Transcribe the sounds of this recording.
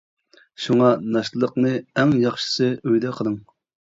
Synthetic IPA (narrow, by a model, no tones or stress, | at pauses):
ʃuŋɑnɑʃt̪əlˠəqnɨɛŋjɑχʃɨ̥sɨøjd̪ɛqʰəlˠɨŋ